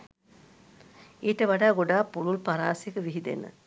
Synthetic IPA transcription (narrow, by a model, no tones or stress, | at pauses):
eːʈəʋaɖaːɡoɖaːpːululpaɾa̰ːsekəʋiɦid̪ḛnə̰